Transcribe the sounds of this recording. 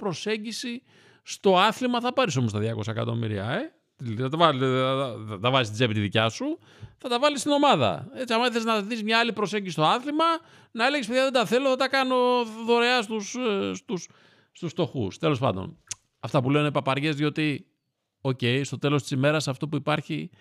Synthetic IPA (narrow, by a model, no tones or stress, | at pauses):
pɾo̞se̞ɲɟisi | st̪o̞ɐθlimɐθɐpɐɾiso̞most̪ɐðʝɐko̞sɐekɐ̰t̪o̞̰mḭɾḭɐ̰e | t̪iθɐt̪ɐvɐ | t̪ɐvɐzist̪izepit̪iðicɐsu | θɐt̪ɐvɐlist̪ino̞mɐðɐ̰e̞t͡siɐmɐiθeznɐðizmɲɐɐlipɾo̞seɲɟisist̪o̞ɐθlimɐ | nɐe̞leɣes̬peðʝɐðe̞d̪ɐθe̞loθɐt̪ɐkɐno̞ðo̞ɾeɐst̪usst̪us | st̪usft̪o̞xṵst̪e̞lo̞spɐ̰nd̪o̰n | ɐft̪ɐpuleonepɐpɐɾʝe̞zðio̞t̪i | o̞ce̞jst̪o̞t̪e̞lo̞st̪i̥sime̞ɾɐsɐft̪o̞puipɐɾçi